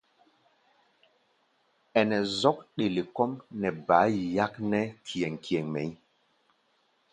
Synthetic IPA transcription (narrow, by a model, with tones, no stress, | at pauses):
ɛ˨nɛ˨zɔ˦k̚ɗe˨le˨kɔ˦mnɛ˨baː˨˦ja˦knɛ˦kʰi˨ɛ˨ŋki˨ɛ˨ŋmɛ˨˦